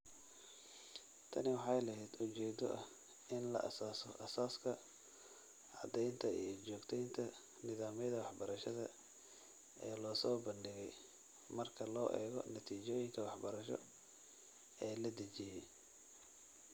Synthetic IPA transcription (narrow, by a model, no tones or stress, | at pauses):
t̪ʰɐ̰nɪwɑħɑjlɐɦɛjd̪ʊt͡ʃɛːd̪ɔʔɐh | ɪnlɐ̰ʔɐ̰saːsɔʔɐsaːskʰɐ | ʕɑd̪ɛjnt̪ʰɐijɞt͡ʃɔːɡt̪ʰɛjnt̪ʰɐ | nɪðaːmɛjðɐwɑħbɐɾɐʃɐðɐ | ʔɛ̰ːlɔːsɔːbɐndɪɣɛj | mɐrkʰɐlɔːʔɛ̰ːɣɔ̰nɐt̪ʰiːt͡ʃɔːjɪŋkʰɐwɑħbɐɾɐʃɔ̰ | ɛːlɐd̪ɐt͡ʃɪjɛ